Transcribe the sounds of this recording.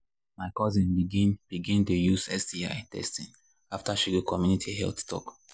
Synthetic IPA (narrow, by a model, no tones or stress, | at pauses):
maɪkɔzĩnbiɡĩnb̥iɡĩntujuzɛsdia̰ɪtʰɛ̰stĩn | aftaʃiɡokʰɔmjunitʰiɦɛ̰lθtʰɔ̰k